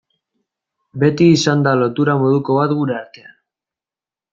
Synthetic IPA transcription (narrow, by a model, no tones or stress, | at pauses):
be̞t̪iːsand̪alo̞t̪uɾamo̞ð̞uko̞β̞at̪ɡuɾe̞aɾt̪e̞an